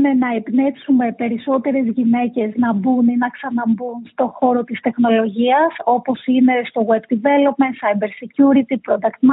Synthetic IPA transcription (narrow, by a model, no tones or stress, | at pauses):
ne̞nɐepne̞psume̞pe̞ɾiso̞t̪e̞ɾe̞zʝine̞ce̞znɐbuninɐksɐnɐmbunst̪o̞xo̞ɾo̞t̪ist̪e̞xno̞lo̞ʝiɐso̞po̞sine̞st̪o̞ɣwebd̪ive̞lo̞pmensɐjbe̞ɾsicuɾit̪ipɾo̞d̪ɐkt̪m